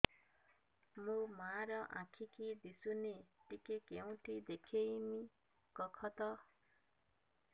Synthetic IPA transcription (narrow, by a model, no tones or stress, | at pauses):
mũmaɾɔʔãkʰikid̪isuneʈikekeũʈʰid̪ekʰejmi | kɔkʰɔt̪ɔ